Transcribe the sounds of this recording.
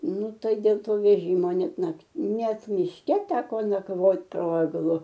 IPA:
ˈnʊ ˈtɐɪ dʲeːlˠ ˈtoː ʋʲɛˈʒʲiːmoː ˈnʲɛt ˈnɐkt ˈnʲɛt mʲɪʃʲˈkʲɛ ˈtʲæːkoː nɐkˈʋoːt poː ɛɡˈlˠʊ

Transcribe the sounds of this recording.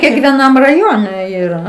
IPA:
kʲɛkʋʲiɛˈnɐm rɐˈjoːnʲɛ iːˈrɐ

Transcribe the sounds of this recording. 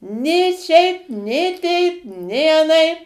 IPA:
nʲeː ˈʃʲɛɪp nʲeː ˈtʲɛɪp nʲeː ɐˈnɐɪp

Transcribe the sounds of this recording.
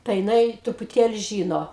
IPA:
tɐɪ jɪˈnɐɪ trʊpʊˈtʲeːlʲɪ ˈʒʲiːnoː

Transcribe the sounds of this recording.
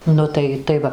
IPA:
ˈnʊ tɐɪ tɐɪ ˈʋɐ

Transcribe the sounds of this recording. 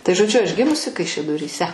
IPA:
tɐɪ ʒoːˈd͡ʒʲʊ ɐʃ ˈɡʲɪmʊsʲɪ kɐɪʃʲɛdoːrʲiːˈsʲɛ

